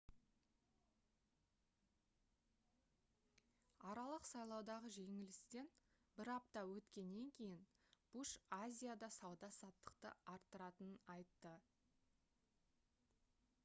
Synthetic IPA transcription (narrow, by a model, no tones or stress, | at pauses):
ɑɾɑlˠəqsɑjlˠɑwd̪ɑʁəʒe̞ŋɪlɪst̪e̞n | bɪɾɑp̚t̪ɑwɵt̪kʲe̞nːe̞ŋkʲʰe̞jɪnb̥uʃazʲijad̪ɑsɑwd̪ɑsɑt̪ːə̥qt̪ə̰ɑɾt̪ːəɾɑt̪ənənɑjt̪ːə